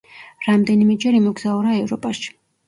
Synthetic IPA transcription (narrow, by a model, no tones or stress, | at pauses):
ɾamd̪ɛnimɛd͡ʒɛɾimɔɡz̥auɾaɛvɾɔpʼaʃi̥